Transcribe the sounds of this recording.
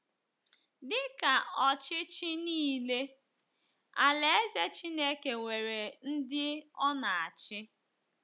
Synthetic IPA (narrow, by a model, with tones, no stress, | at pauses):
dɪ˦ka˨ɔ˨t͡ʃɪ˦t͡ʃɪ˦niː˦le˦ | a˨le˦e˦ze˦t͡ʃi˦ne˦ke˨ŋʷe˨ɾe˨n̩˦dɪ˦ɔ˦na˨a˨t͡ʃɪ˦